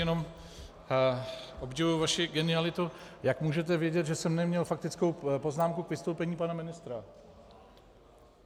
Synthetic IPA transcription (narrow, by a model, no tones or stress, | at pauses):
jɛno̞m | ʔo̞bɟɛvujuvaʃɪɡɛnɪalɪt̪ujakmuːʒɛt̪̬ɛvjɛɟɛt̪ʒɛsɛmnɛmɲɛlfak̚t̪ɪt͡sko̞wpo̞znaːmkukvɪst̪owpɛɲiːpanamɪnɪst̪ɾa